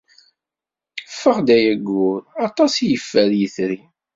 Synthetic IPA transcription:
fːəʁd̪æjæɡːʊɾɑt̪ˤɑsijəfːæɾjəθɾi

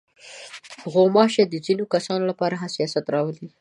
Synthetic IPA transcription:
ɣomɑʃed̪əzinokasɑnolapɑɾaɦasijɑsat̪ɾɑwəli

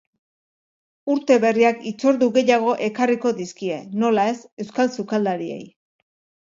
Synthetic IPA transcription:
uɾt̪e̞βe̞riakit͡so̞ɾðuɣe̞jaɣ̞o̞ʔe̞kariko̞ðiskie̞no̞lae̞se̞wskalsukald̪aɾie̞̰j

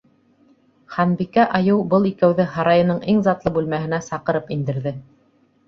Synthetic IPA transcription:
χɑnbikæʔɑjɤwbɤlˠikæwðɘɦɑɾɑjɤ̆nɤɴʔiŋzɑt̪lˠɤbʉlmæɦɘ̆næsɑqɤ̆ɾɤpind̪ɘ̆ɾðɘ

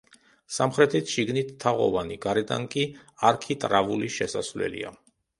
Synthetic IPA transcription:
samχɾɛt̪ʰit̪ʰʃiɡnit̪ʰːaʁɔ̰vaniɡaɾɛd̪a̰ŋkʼiaɾkʰit̪ʼɾavuliʃɛsasvlɛ̰lḭa̰

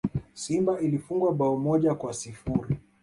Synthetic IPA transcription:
simbailifuŋɡwaɓaɔmɔʄakwasifuɾi

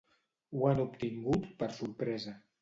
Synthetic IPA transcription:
wanupt̪iŋɡut̪pəɾsuɾpɾɛzə

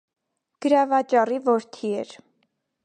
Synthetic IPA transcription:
ɡ̥əɾɑvɑt͡ʃɑrivɔɾt̪ʰiɛɾ

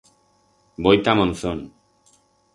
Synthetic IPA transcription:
bojt̪amonson

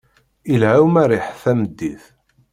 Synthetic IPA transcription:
ilhæwmæɾɪħθæmd̪ːiθ

